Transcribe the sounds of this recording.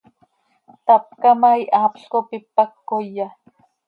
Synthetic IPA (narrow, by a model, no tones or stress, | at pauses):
t̪ap̚kamajʔaːpɬkopipakːojːa